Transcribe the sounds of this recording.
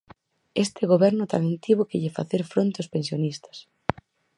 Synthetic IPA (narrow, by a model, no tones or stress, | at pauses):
est̪ɪɣoβɛɾnʊt̪amẽnt̪iβʊkɪʎɪfa̰θeɾfɾont̪eospẽnsjonist̪ɐ̥s